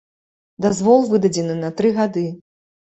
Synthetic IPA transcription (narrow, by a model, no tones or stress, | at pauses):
d̪azvɔlˠvɨd̪ɐd͡zʲɛnɨnɐt̪ɾɨɣad̪ɨ